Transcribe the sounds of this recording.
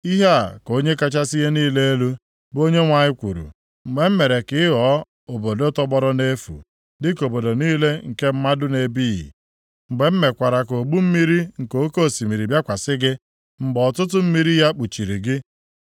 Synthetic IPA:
i˦ɦa˦a˨ko˦ɲe˦ka˦t͡ʃa˦si˦ɦe˦niː˦le˦e˦lu˦ | bo˦ɲe˦ŋʷa˨ɲɪ˦kʷṵ˨ɾṵ˨ | ŋ͡m̩˨ɡ͡be˨m̩˦me˨ɾe˨kɪ˦ɪ˦ɦɔ˦ | o˨bo˨do˦tɔ˦bɔ˦ɾɔ˦ne˦fṵ˨ | dɪ˦ko˨bo˨do˨niː˦le˦ŋ̩˨ke˦m̩˦ma˦dʊ˦ne˨bi˦jḭ˨ | ŋ͡m̩˨ɡ͡be˨m̩˦me˨kʷa˨ɾa˨ko˨ɡ͡bu˦m̩˦mi˦ɾi˦ŋ̩˨ko˨˦ko˦˨si˨mi˨ɾi˨bja˦kʷa˨sɪ˦ɡɪ˦ | m̩˨ɡ͡bɔ˨tʊ˦t̬ʊ˦m̩˦mi˦ɾi˦ja˦k͡pu˨t͡ʃi˨ɾi˨ɡɪ˦

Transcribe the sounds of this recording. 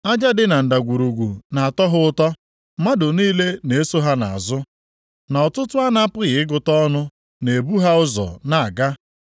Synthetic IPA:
a˦d͡ʒa˦dɪ˦na˨n̩˨da˨ɡʷu˨ɾu˨ɡʷu˨na˨a˨tɔ˦ɦʊ˦ʊ˦tɔ˦ | ma˦dʊ˨niː˦le˦ne˨e˦so˦ɦa˦na̰˨a˨zʊ˦ | na˨ɔ˨tʊ˦tʊ˦a˦na˦pʊ˦ɣɪ˨ɪ˦ɡʊ˨tɔ˦nʊ˦ | ne˨bu˦ɦa˦ʊ˦zɔ̰˨na˨a˨ɡa˦

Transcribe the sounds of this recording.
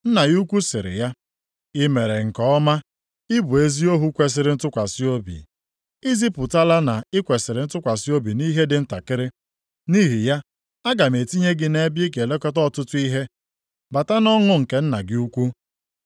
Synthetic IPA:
n̩˦na˨ju˦kʷu˦sɪ˨ɾɪ̰˨ja˦ | ɪ˦me˨ɾe˨ŋ̩˨kɔ˦ɔ˦ma˦ | ɪ˦bu˨e˦zi˦o˦ɦu˦kʷe˨s̬ɪ˨ɾɪ˦n̩˦tʊ˦kʷa˨si˦o˦bḭ˨ | i˦zi˦pʊ˨ta˦la˦na˨ɪ˦kʷe˨sɪ˨ɾɪ˨n̩˦tʊ˦kʷa˨si˦o˦bi˨ni˦ɦe˦dɪ˨n̩˦ta̰˨kɪ˦ɾɪ˦ | ni˦ɦi˨ja˦ | a˦ɡa˨m˨e˨ti˦ɲe˦ɡɪ˦ne˦bji˦k̬e˨le˦kɔ˦tɔ˦˨tʊ˦tʊ˦i˦ɦe˦ | ba˨ta˦nɔ˦ŋʊ˦ŋ̩˨ke˦n̩˦na˨ɡɪ˦u˦kʷu˦

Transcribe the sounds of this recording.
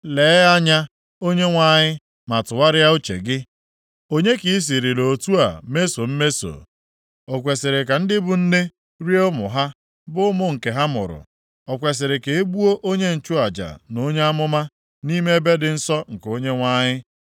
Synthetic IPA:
leː˨˦a˦ɲa˦ | o˦ɲe˦ŋʷa˦˨ɲɪ˦ | ma˨tʊ˨wa˦ɾɪ˦ja˦u˦t͡ʃḛ˨ɡɪ˦ | o˦ɲe˦ki˨i˦s̬i˨ɾi˨lo˨tu˦a̰˨me˦so˨m̩˦me˦so̰˨ | ɔ˨kʷe˨sɪ˨ɾe˨ka˨n̩˦dɪ˦bʊ˨n̩˦ne˦ | ɾi˦e˦ʊ˦mʊ̰˨ɦa˦ | bʊ˦ʊ˦mʊ˦ŋ̩˨ke˨ɦa˦mʊ̰˨ɾʊ̰˨ | ɔ˨kʷe˨s̬ɪ˨ɾɪ˨ke˨e˦ɡ͡bu˦o˦ʔo˦ɲe˦n̩˨t͡ʃʊ˦a˨d͡ʒa̰˨no˦ɲe˦a˦mʊ˦ma˦ | ni˦me˦e˦be˦dɪ˨n̩˦sɔ˦ŋ̩˨ko˦ɲe˦ŋʷa˦ɲɪ˦

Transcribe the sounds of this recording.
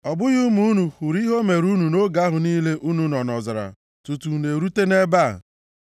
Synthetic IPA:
ɔ˨bʊ˦ju˦mu˦nu˨xu˨ɾi˦ɦo˦me˨ɾu˦nu˨no˦ɡa˦ɦʊ˨niː˦le˦ʔu˦nu˨nɔ˨nɔ˨zɪ˨ɾa̰˨ | tu˨tu˨ne˨ɾu˦te˦ne˦ba̰˦˨

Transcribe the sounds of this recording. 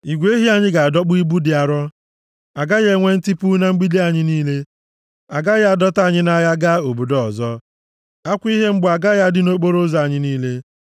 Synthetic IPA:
i˨ɡʷe˦i˦ɦi˦a˨ɲɪ˦ɡa˨a˨dɔ˦k͡pʊ˦i˦bu˦dɪ˨a˨ɾɔ˦ | a˨ɡa˦ɣe˦ŋʷe˦n̩˦ti˦pu˦na˦ŋ͡m̩˦ɡ͡bi˦de˦a˨ɲɪ˦niː˦le˦ | a˨ɡa˦ɣa˨dɔ˦ta˦a˨ɲɪ˦na˦ja˦ɡa˦o˨bo˨dɔ˨zɔ˦ | a˦kʷi˦ɦe˦ŋ͡m̩˦bʊ˨a˨ɡa˦ja˦dɪ˨no˦k͡po˦ɾo˦za˨a˨ɲɪ˦niː˦le˦

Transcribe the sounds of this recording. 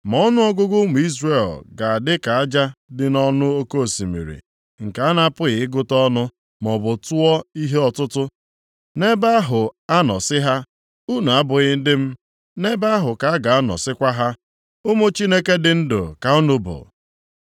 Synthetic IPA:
mɔ˦nʊ˦ɔ˦ɡʊ˦ɡʊ˦mʊ˨i˦zre˦˨lɡa˨a˨dɪ˦ka˨a˦d͡ʒa˦dɪ˨nɔ˦nʊ˦o˦ko˦˨si˨mḭ˨ɾḭ˨ | ŋ̩˨ka˨a˦na˦pʊ˦ɣɪ˨ɪ˦ɡʊ˦tɔ˦nʊ˦ | mɔ˨bʊ˨tʊ˦ɔ˦i˦ɦe˦ɔ˨tʊ˦tʊ˦ | ne˦ba˦a˦ɦʊ˨a˦nɔ˨sɪ˦ɦa˦ | u˦nu˨a˦bʊ˨ɣɪ˦n̩˦dɪ˦m̩˦ | ne˦ba˦a˦ɦʊ˨ka˨a˦ɡa˨a˦nɔ̰˨sɪ˦kʷa˦ɦa˦ | ʊ˦mʊ˦t͡ʃi˦ne˦ke˦dɪ˨n̩˦dʊ̰˨ka˨ʊ˦nʊ˦bʊ̰˨

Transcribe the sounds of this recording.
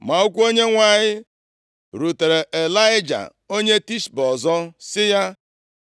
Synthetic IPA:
ma˨u˦kʷo˦ɲe˦ŋʷa˨ɲɪ˦ | ɾu˨te˨ɾe˨ʔe˨la˦ɪ˦d͡ʒa̰˨ | o˦ɲe˦ti˦ʃbɔ˨zɔ˦sɪ˦ja˦

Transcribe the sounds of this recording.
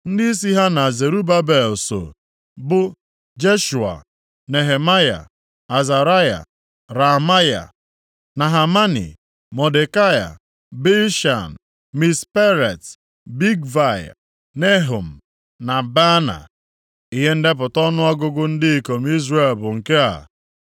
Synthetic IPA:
n̩˦dɪ˦i˦s̬i˦ɦa˦na˨ze˨ɾu˦ba˦be˨lso̰˨ | bʊ˦ | d͡ʒe˦ʃu˨a̰˨ | ne˨ɦe˨ma˦ja̰˨ | a˨za˨ɾa˦ja̰˨ | ɾa˨ma˦ja̰˨ | na˨ɦa˨ma˦nḭ˨ | mɔ˨de˨ka˦ja̰˨ | be˦ʃa˨n̩˨ | mi˨spe˦ɾe˨t | bi˦ɡva˨j | ne˦ɦo˨m̩˨ | na˨ba˦na̰˨ | i˦ɦe˦n̩˦dɪ˦p̬ʊ˨tɔ˦nʊ˦a˦ɡʊ˦ɡʊ˦n̩˦dɪ˦i˦ko˨m̩˦i˦zre˦˨lbʊ˨ŋ̩˨ke˦a̰˨

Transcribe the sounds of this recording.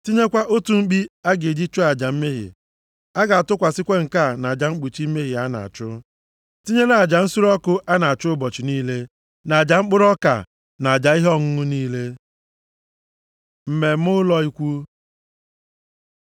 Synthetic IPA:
ti˦ɲe˦kʷa˦ʔo˦tu˨ŋ͡m̩˦k͡pi˦a˦ɡe˨d͡ʒi˦t͡ʃo˦a˨d͡ʒa˨m̩˦me˦ɦḭ˨ | a˦ɡa˨a˨tʊ˦kʷa˨sɪ˦kʷe˦ŋ̩˨ka˦˨na˨d͡ʒa˨ŋ͡m̩˦k͡pu˨t͡ʃi˦me˦ɦi˨a˦na̰˨a̰˨t͡ʃʊ˦ | ti˦ɲe˦na˨a˨d͡ʒa˨n̩˦su˦ɾɔ˦kʊ˦ʔa˦na˨a˨t͡ʃʊ˦bɔ˨t͡ʃi˨niː˦le˦ | na˨a˨d͡ʒa˨ŋ͡m̩˦k͡pʊ˦ɾɔ˦ka̰˨ | na˨a˨d͡ʒa˨i˦ɦɔ˦ŋʊ˦ŋʊ˦niː˦le˦ | m̩˨me˨m̩˦ʊ˦lɔ˦i˦kʷu˦

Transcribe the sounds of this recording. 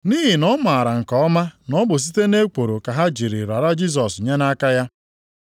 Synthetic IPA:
ni˦ɦi˨nɔ˦ma˨a˨ɾa˨ŋ̩˨kɔ˨ɔ˦ma˦nɔ˦bʊ˨s̬i˦te˦ne˦k͡po˨ɾo˨ka˨ɦa˦d͡ʒi˨ɾḭ˨ɾa˨ɾa˦d͡ʒi˦s̬ɔ˨su˨ɲe˦na˦ka˦ja˦

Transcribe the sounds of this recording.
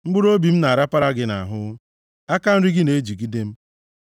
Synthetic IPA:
ŋ͡m̩˦ɡ͡bʊ˦ɾo˦bi˨m̩˦na˨a˨ɾa˦pa˦ɾa˦ɡɪ˦na̰˨ɦʊ˦ | a˦ka˦n̩˦ɾi˦ɡɪ˦ne˨˦d͡ʒu˨ɡi˦de˦m̩˦

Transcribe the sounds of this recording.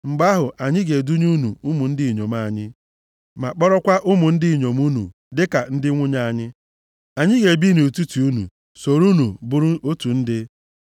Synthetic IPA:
ŋ͡m̩˨ɡ͡ba˦ɦʊ˨ʔa˨ɲɪ˦ɡe˨du˦ɲu˦nṵ˨u˦mu˨n̩˦dɪ˦˨ɲo˨m˦a˨ɲɪ˦ | ma˨k͡pɔ˦ɾɔ˦kʷa˦ʔʊ˦mʊ˨n̩˦dɪ˦˨ɲo˨m˦u˦nṵ˨ | dɪ˦ka˨n̩˦dɪ˦ŋʷʊ˦ɲa˦˨a˨ɲɪ˦ | a˨ɲɪ˦ɡe˨bi˦nu˨tu˦ti˨u˦nṵ˨ | so˨ɾu˦nu˨bʊ˦ɾʊ˦o˦tu˨n̩˦dɪ˦

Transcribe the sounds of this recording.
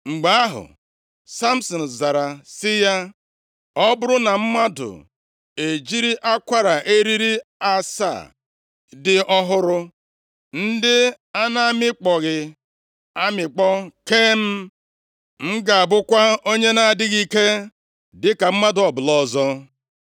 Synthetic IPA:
ŋ͡m̩˨ɡ͡ba˨a˦ɦʊ̰˨ | sa˦m̩˦sɔ˨n̩˨za˨ɾa˨sɪ˦ja˦ | ɔ˦bʊ˦ɾʊ˦na˨m̩˦ma˦dʊ̰˨ | e˨d͡ʒi˦ɾi˦ʔa˦kʷa˦ɾa˨ʔe˦ɾi˦ɾi˦a˦sa̰˦˨ | dɪ˦ʔɔ˦ɦʊ˦ɾʊ˦ | n̩˦dɪ˦ | a˦na˦a˦˨mɪ˦k͡pɔ˨ɣɪ˨ | a˦mɪ˨k͡pɔ˦ke˦m̩˦ | ŋ̩˦ɡa˨a˨bʊ˦kʷa˦o˦ɲe˦na˨dɪ˦ɣi˦ke˦ | dɪ˦ka˨m̩˦ma˦dʊ˨ɔ˨bʊ˨lɔ˨zɔ˦

